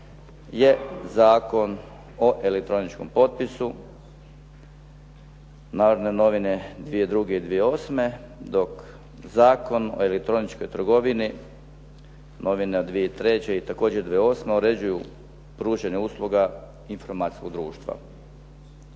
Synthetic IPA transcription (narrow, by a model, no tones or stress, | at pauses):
je̞zaːko̞n | o̞ʔelek̚t̪ɾo̞nit͡ʃko̰mpo̞t̪̚pisu | naːʋɾneno̞ʋine̞d̪ʋijed̪ɾuɡe̞id̪ʋijeo̞ːsme̞ | d̪o̞k | zaːko̞no̰e̞lek̚t̪ɾo̞nit͡ʃko̞jt̪ɾ̩ɡo̞ʋini | nʔo̞ʋined̪ʋijeit̪ɾe̞t͡ɕeit̪ako̞ːd͡ʑed̪ʋijeo̞ːsmeoɾe̞d͡ʑuju | pɾuːʒeɲeuːslˠuɡa | info̞ɾmaːt̪i̥skoɡ̚d̪ɾuːʃt̪ʋa̰